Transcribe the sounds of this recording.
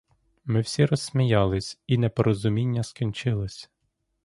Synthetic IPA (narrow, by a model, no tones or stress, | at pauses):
mɪwsʲiɾɔsːʲmʲijɑlˠɪsʲinɛpɔɾɔzʊmʲinʲːɐskʲinʲt͡ʃɪlˠɪsʲ